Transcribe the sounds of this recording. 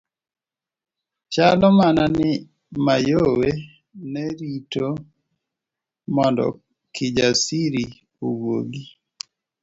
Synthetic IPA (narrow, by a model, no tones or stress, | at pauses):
t͡ʃalɔmananɪ | majowe | nɛɾito | mɔndɔ̰ | kʰɪd͡ʒasiɾi | owoɡi